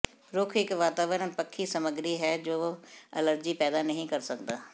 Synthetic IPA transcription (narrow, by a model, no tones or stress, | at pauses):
ɾʊkʰɪkʋaːt̪aːʋəɾənpəkʰːisɐməɡɾiɦɛːd͡ʒoːɐ̰ləɾd͡ʒipɛːd̪anɐɦĩkɐɾsɐkd̪aː